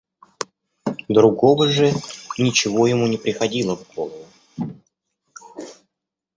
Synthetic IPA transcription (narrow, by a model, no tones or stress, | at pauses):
d̪ɾʊɡo̞vəʐɨnʲɪt͡ɕɪvo̞jɪmunʲɪpɾʲɪxɐdʲilˠəvɡo̞lˠəvʊ